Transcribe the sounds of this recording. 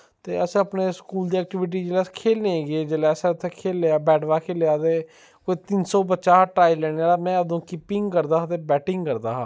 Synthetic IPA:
t̪eːəsẽəpneːskuːld̪iːɛːk̚ʈɪʋɪʈ̬iːd͡ʒeːlɛskʰeːlnẽːɡeːd͡ʒeːlɛːəsẽət̪ʰːekʰeːlːaːbɛːɖʋaːkʰeːljaːt̪eː | koːiːt̪ɪnsɔːbətːʃaːʈɾaːiːlɛːɽaːlaːmɛ̃ːəd̪õːkɪpɪŋɡkəɾd̪aːɦat̪eːbɛːʈɪŋɡkəɾd̪aːɦaː

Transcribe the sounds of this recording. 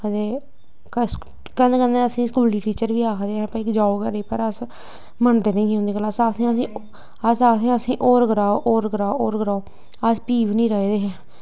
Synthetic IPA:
əd̪eː | k | kənd̪eːkə̃nd̪eəsĩːskuːliːʈiːt͡ʃəɾʋiːaːkʰd̪eːɦɛ̃ːpəɪkd͡ʒaːoːkəɾeːpəɾəs | məɳd̪eːnə̃ĩːiɦʊnd̪eːkəlsasĩːəsĩː | əsaːsĩːəsĩːʔoːɾɡəɾaːoːʔoːɾɡəɾaːooːɾɡəɾaːoː | əspiːʋnĩːɾəːid̪eːɦɛ̃ː

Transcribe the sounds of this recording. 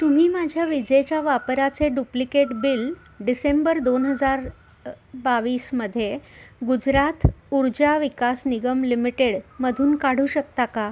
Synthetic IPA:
t̪um̤iːmad͡ʑʱjaʋid͡ʑet͡ɕjaʋapɾat͡seɖuplikeʈbil | ɖisembəɾd̪onɦəd͡zaɾ | baʋiːsməd̪ʱːjeɡud͡zɾat̪uɾd͡ʑaʋikasniɡəmlimiʈeɽməd̪ʱuːnkaɽ̤uːɕək̚t̪aka

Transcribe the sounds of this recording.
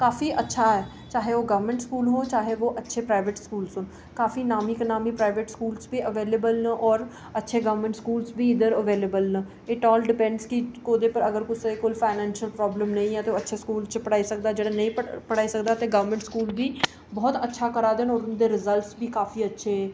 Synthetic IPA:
kaːfiːʔətːʃʰaːɛː | t͡ʃaːɦeːoːɡəʋəɾmɛ̃ɳʈskuːlɦoːt͡ʃaːɦeːʋoːʔətːʃʰeːpɾaːɪʋeʈskuːlsɦʊn | kaːfiːnaːmiːknaːmiːpɾaːɪʋeʈskuːlsbiːəʋeːleːbəlnəʔɔːɾ | ətːʃʰeːɡəʋɾmə̃ɳʈskuːlsbʱiːɪd̪əɾəʋeːleːbəlnə | ɪʈɔːlɖɪpɛ̃ɳɖskɪkoːd̪eːpəɾəɡəɾkʊsekoːlfʰaːɪnɛ̃ːnʃəlpɾɔːbləmnəĩːɛ̃ːt̪eoːətːʃʰeːskuːlt͡ʃpəɽaːisək̚d̪aːd͡ʒeːɽanəĩːəpəɽaːisəkd̪aːt̪eːɡəʋəɾmə̃ɳʈskuːlbiː | bɔːt̪ətːʃʰaːkəɾaːd̪eːnɔːɾʊnd̪eːɾɪzəlʈsbʱiːkaːfiːətːʃʰeː

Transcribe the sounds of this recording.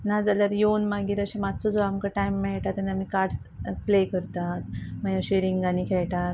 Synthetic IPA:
nad͡zaləɾjonmaɡiːɾəɕemat̪t͡sɔd͡zoamkaʈaimːɛɭʈat̪ənamikaɾʈs | plekəɾt̪at̪majãɕeɾiŋɡɡaniːkʰɛɭʈat̪

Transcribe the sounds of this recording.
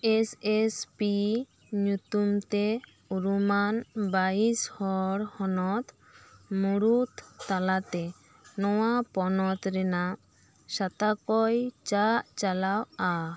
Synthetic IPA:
esespi | ɲut̪umt̪e | uɾumanbaishɔɾhɔnɔt̪ | muɽut̪ːalat̪ɛ | nɔwapɔnɔt̪ɾɛna | ʃat̪akɔjt͡ʃaʔt͡ʃalawa

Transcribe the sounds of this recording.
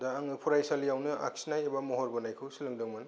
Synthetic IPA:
daːŋɯpʰuɾajsalijawnɯʔa̰ksinajebamɔɦɔɾbɔnajkʰɯwsilɯŋdɯŋman

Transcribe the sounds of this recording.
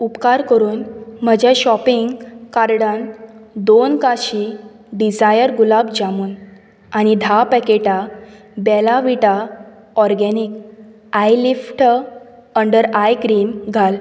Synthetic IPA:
upkaɾkəɾuːnm̤əd͡ʑʱaɕɔpiŋɡkaɾɽand̪onkaɕi | ɖid͡zajəɾɡulabd͡ʑamuːn | aɽ̃id̪ʱapɛkeʈa | bɛlaʋiʈa | ɔɾɡɛnik | ajlifʈ | əɳɖəɾajkɾiːmɡʱal

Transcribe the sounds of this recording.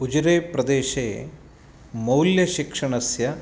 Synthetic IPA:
ud͡ʒuɾeːpɾɐd̪eːʃe | mɐwljɐʃikʂɐɳɐsjɐ

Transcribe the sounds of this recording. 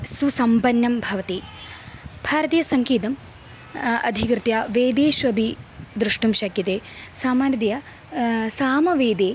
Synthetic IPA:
susɐmpɐnjɐmbʱɐʋɐt̪i | bʱaːɾɐt̪ijɐsɐŋkiːt̪ɐm | ɐ̰d̪ʱikɾɨt̪jaːʋeːd̪eːʃʋɐbʱid̪ɾuʂʈumʃɐkjɐt̪eːsaːmaːnjɐd̪ijɐ | saːmɐʋeːd̪eː

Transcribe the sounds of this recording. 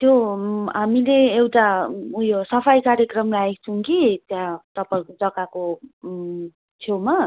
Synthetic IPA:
t̪joɦamileewʈaujosʌpʰajkaɾjekrʌmlaek̚t͡sʰuŋkit̪jãt̪ʌpaĩkod͡zʌkako | t͡sʰewma

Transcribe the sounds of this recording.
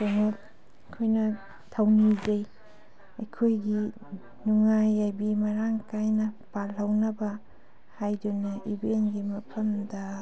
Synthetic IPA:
soŋot̚ | kʰojnɐ | tʰawnizɐj | ɐjkʰojɡi | nuŋajajbimɐɾaŋkajnɐpalɐwnɐbɐ | hajdunɐʔibenɡimɐpʰɐmdɐ

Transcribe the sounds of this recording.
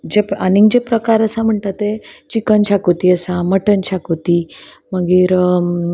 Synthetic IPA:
d͡ʑepaniŋɡd͡ʑepɾəkaɾəsam̤əɳt̪at̪et͡ɕikənɕakot̪iəsaməʈənɕakot̪iː | məɡiːɾ

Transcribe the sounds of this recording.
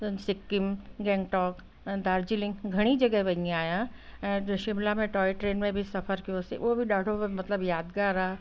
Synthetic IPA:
sɪkːɪmɡɛ̃ːŋɡʈɔːkː | d̪aːɾd͡ʑilɪ̃ŋɡɡʱɐɽ̃id͡ʒɐɡəɦʋɐɲiaːjãɛ̃ːʃɪmlamẽʈɔːɪʈɾeːnmẽbʱisɐfʰəɾkijosḭʔuobʱiɗaːɽʱomɐt̪ləbjaːd̪ɡaːɾaː

